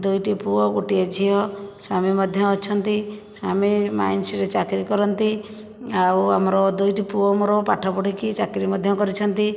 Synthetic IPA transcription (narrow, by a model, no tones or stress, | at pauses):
d̪ujʈipuɔɡuʈied͡ʒʱiɦɔswamimɔd̪ʱjɔɔt͡ʃʰɔnt̪iswamima̰jnsiɾet͡ʃakɾikɔɾɔnt̪i | awa̰mɔɾɔd̪ujʈipuɔmoɾɔpaʈʰapɔɽikit͡ʃakɾimɔd̪ʱjɔkɔɾit͡ʃʰɔnt̪i